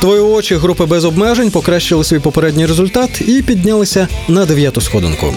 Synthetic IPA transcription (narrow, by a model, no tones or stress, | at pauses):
t̪ʋɔjiɔt͡ʃiɦɾupɪbɛzɔbmɛʒenʲpɔkɾaʃt͡ʃɪlˠɪsʲʋʲijpɔpeɾɛdʲnʲijrezʊlʲt̪ɑt̪ipʲid̪ʲnʲalˠɪsʲɐnɐd̪eʋʲjat̪ʊsxɔd̪ɪ̰nkʊ̰